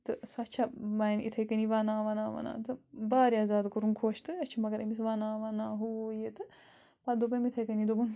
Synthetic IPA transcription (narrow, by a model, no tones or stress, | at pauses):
t̪ɨsɐt͡ʃʰabaːnḭt̪ʰɐjkɐniʋaːnãːʋɐnaːʋɐ̰na̰ːt̪ɨbaːɾjaːzaːd̪kuɾunkʰoːʃt̪ɨɐt͡ʃʰimɐɡɐɾɐmisʋanaːʋɐnaːɦujet̪ɨ | pad̪ubɐmit̪ʰɐjkɐnid̪ubɐn